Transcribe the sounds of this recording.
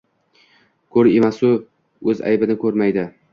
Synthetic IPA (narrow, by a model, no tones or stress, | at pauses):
kʰɵɾemasʊ | ɵza̰jbɪnɪkʰɵɾmajd̪ɪ